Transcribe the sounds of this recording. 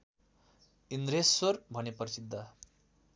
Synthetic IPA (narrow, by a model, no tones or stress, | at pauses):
ind̪ɾesorbʱʌnepʌrsid̪ːa